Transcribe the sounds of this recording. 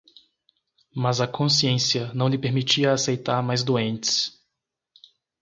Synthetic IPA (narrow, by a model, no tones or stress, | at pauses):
mɐzɐkʰõsiẽsiɐnɐ̃w̃lɪpeɾmit͡ʃiɐːsejt̪aɾmajzd̪uẽntɪ̥s